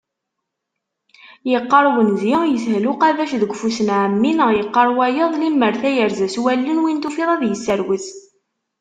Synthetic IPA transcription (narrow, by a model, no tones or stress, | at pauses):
jəqːɑɾˤwənzjəjəθhluqæðæʃðəɡʷfusənʕəmːinjəqːɑɾˤwæjəðˤlimːəɾθæjəɾzæswælːənwint̪ufiðˤɑðjəsːəɾwiθ